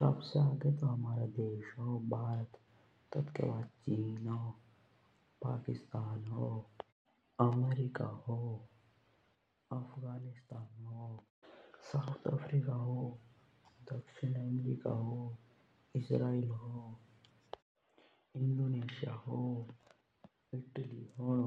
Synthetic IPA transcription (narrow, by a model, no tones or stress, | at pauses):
sɐ̰bseaːɡet̪oɦɐmaːɾad̪eːʃɦoːbʱaːɾət̪ | t̪ːɐt̪kḛbaːd̪t͡ʃiːnɦo | pa̰ːkɪst̪aːnɦoː | ɐmeːɾika̰hoː | ɐfʰɣaːnɪst̪aːnɦoː | saːʊt̪ʰə̰pʰɾikaɦoː | d̪ɐkʃɪnəmɾiːka̰ɦoː | ɪsɾaːilɦoː | ɪ̃nɖoːneːʃijaɦo | ɪʈəliɦo